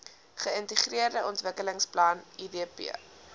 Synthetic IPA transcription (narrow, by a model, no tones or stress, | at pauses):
χəəntəχriərdəʔɔntvəkələŋsplɐnidiəpḭə